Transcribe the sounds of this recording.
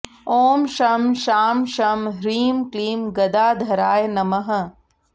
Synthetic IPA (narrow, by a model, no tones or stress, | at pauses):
oːmʃɐːmʃaːmʃaːmɦɾiːmkliːmɡɐd̪aːd̪ʱɐɾaːjnɐmɐɦɐ̆